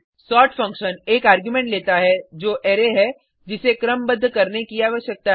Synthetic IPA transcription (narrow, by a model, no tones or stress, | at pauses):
sɔːʈfɐ̃ŋkʃəneːkaːɾɡjumẽːɳʈleːt̪aɦɛd͡ʒoːʔɛːɾeɦɛ | d͡ʒɪsekɾəmbɐd̪ʱːkɐɾnekiaːʋəʃjək̚t̪a